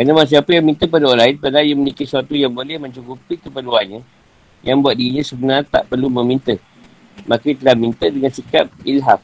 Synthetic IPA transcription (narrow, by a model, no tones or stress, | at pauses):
kɾanamas̬iapəjaŋmĩnt̪əp̬adaolaɪnpalajəmənikisuat̪ujaŋbolɛhmə̃ɲt͡ʃukupikəpəluanɲə̃ | jaŋbuat̪̚diiɲãsəbənart̪a̰ʔpərlumə̃mĩnt̪ə | mãkət̪əlahmĩnt̪ədəŋansikap̚ilɦaf